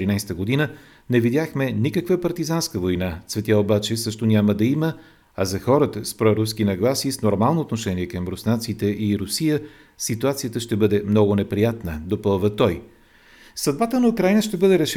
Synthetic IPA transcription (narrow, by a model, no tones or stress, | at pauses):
ɾinajst̪əɡod̪inə | nɛvid̪jaxmɛnikəkvəpɐɾt̪izanskəvojnat̪svɛt̪ʲjaobat͡ʃɛsɤʃt̪onʲaməd̪ɐimə | ɐzɐxɔɾət̪əspɾɔɾuskinɐɡlˠasisnoɾmalˠnoot̪noʃɛniɛkəmbɾʊsnat̪sit̪ɛʔiɾʊsijə | sit̪uat̪sijət̪əʃt̪ɛbɤd̪ɛmnɔɡʊnɛpɾijat̪nəd̪opɤlˠvət̪ɔj | sɐd̪̚bat̪ənɐukɾajnəʃt̪ɛbɤd̪ɛɾɛʃ